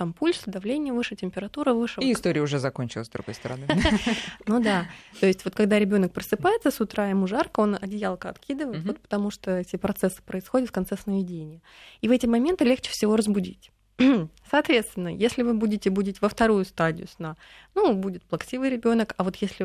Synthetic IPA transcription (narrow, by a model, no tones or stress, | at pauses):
t̪ampulʲsd̪ɐvlʲenʲɪjəvɨʂɨtʲɪmʲpʲɪɾɐt̪uɾəvɨʂɨɪst̪o̞ɾʲɪjəʊʐɛzɐkonʲt͡ɕɪlˠəzd̪ɾʊ̰ɡo̞jst̪əɾɐ̰nɨ | nud̪at̪o̞ɪsʲtʲvo̞t̪̚kɐɡd̪aɾʲɪbʲo̞nək̚pɾəsɨpajɪt̪səsʊt̪ɾaɪmuʐarkəo̞nɐdʲɪjalˠkəɐ̰t̪kʲid̪ɨvəɪt̪vo̞t̪̚pə̥t̪ɐmuʂt̪oɛtʲɪpɾɐt̪sɛsːɨ̥pɾəɪsxo̞dʲɪt̪fkɐnt̪sɛsnəvʲɪdʲenʲɪjə | ivɛtʲɪmɐmʲe̞nt̪ɨlʲext͡ɕɪ̥fsʲɪvo̞ɾəzbʊdʲḭtʲ | sɐːt̪vʲe̞t̪st̪vʲɪnːəjesʲlʲɪvɨbudʲɪtʲɪbudʲɪtʲɪvəft̪ɐɾujʊst̪adʲɪ̰jʊsna | nubudʲɪt̪plˠɐksʲivɨjɾʲɪbʲo̞nəkɐvo̞t̪jesʲlʲɪ